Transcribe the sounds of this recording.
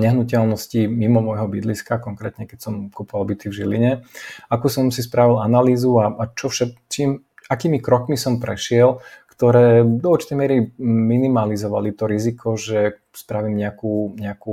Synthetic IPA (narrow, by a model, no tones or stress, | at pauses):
ɲɛɦnucɛlnɔscimimɔmɔjɦɔbid̪liskakɔŋkɾɛːt̪ɲɛkɛcsɔmkupɔʋalbit̪ivʒiliɲɛakuːsɔmsispɾaʋilanaliːzuaat͡ʃɔfʃakt͡ʃiːm | akiːmikɾɔkmisɔmpɾɛʃɪɛlkt̪ɔɾɛːd̪ɔuɾt͡ʃi̥t̪ɛjmɛɾiminimalizɔʋalit̪ɔɾizikʰɔʒɛ | spɾaʋiːmɲɛakuːɲɛaku